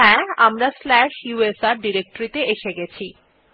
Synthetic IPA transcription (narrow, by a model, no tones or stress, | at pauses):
ɛ̃amɾaslɛʃjuesaɾɖiɾek̚ʈoɾit̪eeʃeɡɛt͡ɕʰi